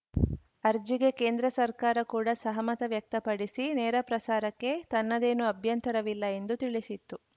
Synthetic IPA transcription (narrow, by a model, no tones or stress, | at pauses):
ɐɾd͡ʒiɡe̞keːnd̪ɾɐsɐɾkaːɾɐkuːɽɐsɐɦɐmɐt̪ɐʋjɐk̚t̪ɐpɐɽisinɛːɾɐpɾɐsaːɾɐkːe̞t̪ɐnːɐd̪e̞ːnuɐbʱjɐnt̪ɐɾɐʋilːɐe̞nd̪ut̪iɭisit̪ːu